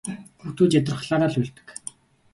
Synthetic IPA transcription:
xuxt̪ʰuːt͡ɕat̪ə̆rχɮaːɾaːɮuɮt̪ɘ̥̆k

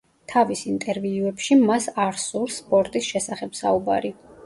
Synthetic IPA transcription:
t̪ʰavisint̪ʼɛɾviuɛpʃimasaɾsuɾspʼɔɾt̪ʼisʃɛsaχɛbsa̰uba̰ɾi

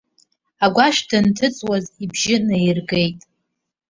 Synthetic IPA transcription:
aɡʷaʃdɨntʰɨt͡sʼwazibʒɪnajirɡe̞jtʼ

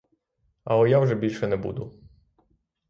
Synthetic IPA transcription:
aɔjawʐɛbʲilʲʂɛnɛbṵd̪u

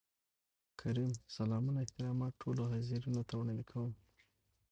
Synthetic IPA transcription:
kʰaɾimsalɑmunaɪht̪ɪɾɑmɑt̪ʈʰoloɦaziɾunat̪awɳalikʰawum

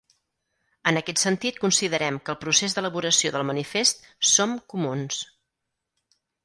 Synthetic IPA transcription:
ənəkɛt̪sənt̪it̪̚kunsiðəɾɛmkəːlˠpɾusezd̪ələβuɾəsioðəlˠmənifest̪somkumuns

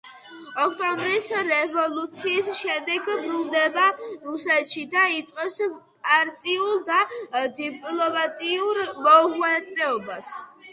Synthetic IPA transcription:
ɔkʰt̪ʼɔmbɾisɾɛvɔlˠut̪sʰiːsʃɛd̪ɛɡbɾulˠd̪ɛbaɾusɛt̪ʃid̪ait̪sʼqʼɛps | pʼaɾt̪ʼiuld̪ad̪ipʼlˠɔmat̪ʼiuɾmɔʁwat̪sʼɛɔbas

